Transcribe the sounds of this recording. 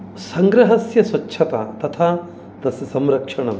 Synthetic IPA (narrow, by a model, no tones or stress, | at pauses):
sɐŋɡɾɐɦɐsjɐswɐtːʰɐt̪a̰ːt̪ɐt̪ʰaː | t̪ɐsjɐsɐmɾɐkʂɐɳɐm